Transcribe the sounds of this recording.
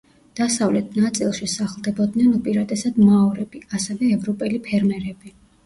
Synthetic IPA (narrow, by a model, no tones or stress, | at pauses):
d̪̥asavlɛt̪ʰnat̪sʼilˠʃisaχlˠd̪ɛbɔd̪nɛnupʼiɾat̪ʼɛsad̪maɔɾɛbiasɛvɛːvɾɔpʼɛlipʰɛɾmɛɾɛb̥i